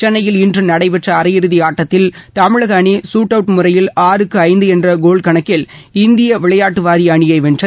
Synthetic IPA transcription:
t͡ʃɛnːɐjɪlɪndrɯnɐɽɐɪpɛʈrɐːɾɐjɪɾɯðiaːʈːɐt̪ːɪlt̪ɐmɪɻɐɣɐːɳisuːʈːɐʋʈmɯrɐjɪlaːɾɯkːɯɐɪnd̪ɯɛndrɐɡoːɭkɐɳɐkːɪlɪnd̪ɪjɐʋɪɭɐjaːʈːɯʋaːɾiɐɳɪjɐɪʋɛnrɐ

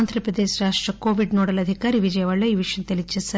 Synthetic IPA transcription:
nd̪ʱɾɐpɾɐd̪eːʃɾaːʂʈɾɐkoːʋiɖnoːɽɐlɐd̪ʱikaːɾiʋid͡ʒɐjɐʋɐɭːɐiːʋiʂjɐnt̪elit͡ʃːisɐ

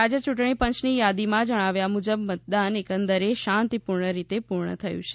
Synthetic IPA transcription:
ad͡ʒət͡ʃuʈɳ̃ipənt͡ʃnijad̪imãd͡ʒəɽ̃aʋjamud͡ʒəbmət̪̚d̪anekənd̪əɾeʃãnt̪ipuɾɳəɾit̪epuɾɳə̰t̪ʰəjṵ̃t͡ʃʰe̥

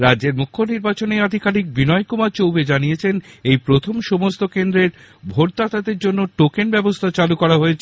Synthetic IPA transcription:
ɾadd͡ʑeɾmukʰːoniɾbat͡ɕonead̪ʱikalik̚binɔekumat͡ɕowbed͡ʑanijet͡ɕʰenejpɾot̪ʰomʃomost̪okend̪ɾeɾ | bʱoɾ̚d̪at̪ad̪eɾd͡ʑonːoʈokenbɛbost̪ʰat͡ɕalukɔɾaɦoet͡ɕʰe

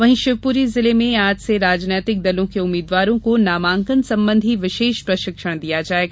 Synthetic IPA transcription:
ʋɐɦĩʃɪʋpuːɾizɪlemẽaːd͡ʒseɾaːd͡ʒnɛːt̪ɪk̚d̪ɐlõkeʊmːiːd̪ʋaːɾõkonaːmãːŋkənsɐ̃mbə̃nd̪ʱiʋɪʃeːʃpɾɐʃɪkʃəɽ̃d̪ijad͡ʒaːeːɡaː

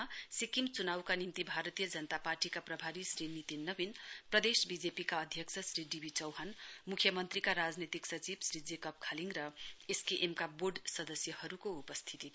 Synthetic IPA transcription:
sikimt͡sunawkanint̪ibʱaɾʌt̪ijʌd͡zʌnət̪aparʈikaprʌbʱaɾisrinit̪inːʌbinprʌd̪esbid͡zepikaʌd̪ʱjʌksʰʌsɾiɖibʱit͡sʌwɦanmukʰjʌmʌnt̪rikaɾad͡znet̪iksʌt͡sibsrid͡zekʌp̚kʰaliŋɡrʌeskeʔemkaboɖsʌd̪ʌsjʌhʌɾukoupʌst̪ʰit̪i

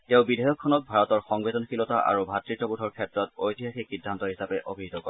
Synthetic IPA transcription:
tɛʊ̃bidʱɛjɔkʰːɔnɔt̚bʱaɹɔtɔɹxɔŋbɛtɔnxilɔtaʔa̰ɹubʱatɹitɔbudʱɔɹkʰɛtɹɔtojtiɦaxisidʱːantɔɦisapɛʔobʱiɦit̪ɔkoɔ

